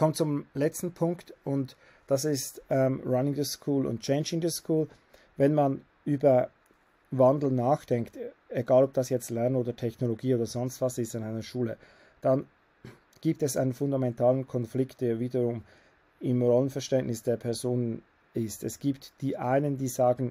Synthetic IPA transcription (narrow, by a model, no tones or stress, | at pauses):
kʰɔmt͡sʊmlɛt͡stn̩pʰʊŋktʊnt | d̥asɪstɛmɹanɪŋdəskʰuːlʔʊ̰nt̚t͡ʃeɪnd͡ʒɪŋdəskʰuːl | vɛnman | ʔyːbɐ | vandl̩naːxd̥ɛŋkt | eɡaːlɔp̚d̥asjɛt͡stlɛɐnənoːdɐtʰɛçnoloɡiːoːdɐzɔnstv̥asɪstanaɪnɐʃuːlə | d̥an | ɡ̥iːp̚tɛsʔa̰ɪnənfʊndamɛntʰaːlənkʰɔnflɪkt̚d̥eːɐviːdəʁʊm | ɪmʁɔlənfɛɐʃtɛnʔnɪsd̥eːɐpʰɛɐzoːnən | ɪstɛsɡ̥iːptd̥iːʔaɪnəndiːzaːɡn̩